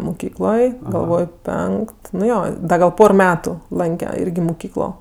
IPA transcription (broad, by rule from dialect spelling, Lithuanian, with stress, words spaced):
mʊˈkʲiːklˠoːj ɡɐlˠˈʋoːj ˈpʲɛŋkt nʊ ˈjoː ˈdɐ ɡɐlˠ ˈpoːr ˈmʲæːtʊ ˈlˠɐŋʲkʲɛ ˈɪrʲɡʲɪ mʊˈkʲiːklˠoː